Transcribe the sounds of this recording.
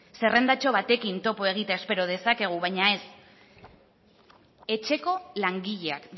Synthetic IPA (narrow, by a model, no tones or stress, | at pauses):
se̞re̞nd̪at͡ʃo̞βat̪e̞kint̪o̞po̞e̞ɣ̞it̪aespe̞ɾo̞ð̞e̞sake̞ɣ̞uβajɲae̞s | e̞t͡ʃe̞ko̞laŋɡiʎeak